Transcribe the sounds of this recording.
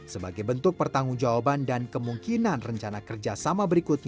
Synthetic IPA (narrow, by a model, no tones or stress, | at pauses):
səbaɡajbənt̪ʊk̚pərt̪aŋuŋd͡ʒawabandankəmuŋkinanrəɲt͡ʃanakərd͡ʒasamabəɾikut̪̚ɲ